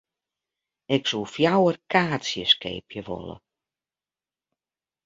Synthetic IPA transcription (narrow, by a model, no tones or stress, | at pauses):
ɪksulˠfjawərkʰaːsjəskḛːpʰjəʋɔ̰lə̰